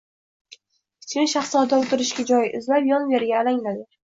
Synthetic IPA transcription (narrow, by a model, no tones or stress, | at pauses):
kʲʰɪ̥t͡ʃmʲɪnʃaχslɒɾd̪aʊt̪ɪɾɪʃɡʲad͡ʒɒjɪzlapjɒnveɾɡʲaːlaŋlad̪ɪ